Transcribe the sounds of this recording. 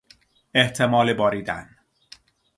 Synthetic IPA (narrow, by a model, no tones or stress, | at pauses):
eht̪ʰe̞mɒːlebɒːɾiːd̪æ̰n